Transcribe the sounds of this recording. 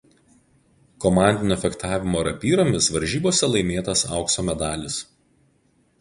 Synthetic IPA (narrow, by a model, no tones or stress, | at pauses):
kɔmɑˑnʲd̪ʲɪnʲʊfʲɛkt̪ɑːʋʲɪmoːɾɐpʲiːɾoːmʲɪsʋɐɾʲʒʲiːboːsʲɛlˠɐɪmʲeːt̪ɐsɑ̰ˑʊksoːmʲɛd̪ɑːlʲɪs